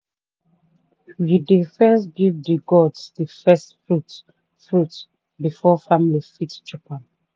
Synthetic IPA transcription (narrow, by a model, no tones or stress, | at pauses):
jidifɛ̃ns̬ɡivdiɡɔdsdəfɛstfɹut | fɹut | bifɔfamilifitt͡ʃɔpãn